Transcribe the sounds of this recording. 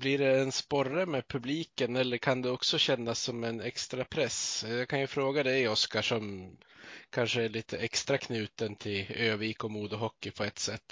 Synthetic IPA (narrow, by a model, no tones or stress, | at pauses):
bliɖɛːnspɔɾəmɛːpʰɵbliːkənɛlːəɾkʰand̪ɛɔksɔɕɛnːasːɔmɛnɛkst̪ɾapʰɾɛsjɑkʰanjɵfɾoːɡad̪ɛjɔskaʂɔm | kʰanʂəæɭiːt̪ʰəʔɛkst̪ɾakʰnʉ̟ːt̪ənt̪ʰɪløːviːkɔmuːd̪ɔɦɔkːɪpʰɔɛt̪sɛt̪ː